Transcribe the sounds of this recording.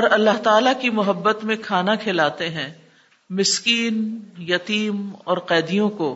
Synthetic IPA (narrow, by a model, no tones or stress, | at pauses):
ɔɾɐlːaɦt̪aːlakimʊɦəbːət̪mẽkʰaːnakʰelaːt̪eɦɛ̃ː | mɪskiːnjɐt̪iːmɔːɾqɛːd̪ijõko